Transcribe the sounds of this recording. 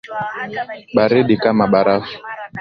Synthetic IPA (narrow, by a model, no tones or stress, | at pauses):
ɓaɾiɗikamaɓaɾafu̥